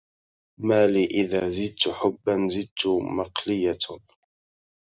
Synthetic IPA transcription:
maːliʔɪðaːzɪd̪̚t̪ħʊbːanzɪd̪̚t̪ʊmɑqlɪjːa

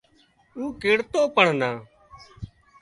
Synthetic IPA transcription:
uːkeːɽt̪oːpəɳ̤nãː

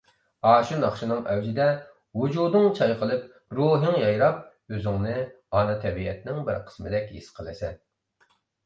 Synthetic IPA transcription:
ɑːʃunɑχʃɨnɨŋʔɛwd͡ʒɪd̪ɛ | wud͡ʒud̪ɨŋt͡ʃʰɑjqʰəlˠɨp̚ | ɾuːɦɨŋjɑjɾɑp̚ | øzɪŋnɪ | ɑnɨt̪ʰɛbiɛt̪nɪŋbɪɾqʰə̥smɨd̪ɛkʲisqʰəlˠɨsɛn

